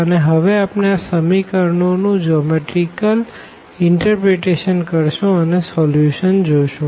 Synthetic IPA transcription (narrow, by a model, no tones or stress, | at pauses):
əneɦəʋeapneasəmikəɾɳonũd͡ʒɔmeʈɾikəl | ɪɳʈəɾpɾeʈeʃənkəɾʃũənesɔljuʃənd͡ʒojʃũ